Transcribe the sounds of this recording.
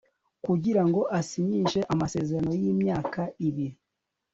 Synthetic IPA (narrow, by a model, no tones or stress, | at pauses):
kuɟiɾaŋɡo̞ʔasiɲiːnʃe̞ʔamase̞zeɾano̞jiːmɲaːkaiβiɾi